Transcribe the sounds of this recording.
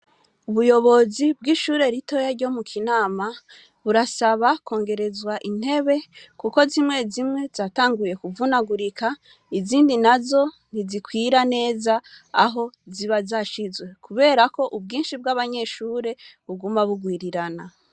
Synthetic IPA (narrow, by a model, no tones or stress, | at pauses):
uβujo̞βo̞zib̚ɡiʃuːɾe̞ɾito̞jaɾɟo̞mukʰinaːma | βuɾasaβako̞ːŋɡe̞ɾe̞zwaʔin̥he̞βe̞kuko̞zimŋe̞zimŋe̞zaːtaːŋɡuje̞kuvunaɡuɾikʰa | iziːndinazo̞ | n̥izikwiːɾane̞ːzaaɦo̞ziβazaʃizwe̞kuβe̞ːɾako̞ʔub̚ɡiːnʃibɡaβaɲe̞ʃuːɾe̞βuɡumaβuɡwiːɾiɾana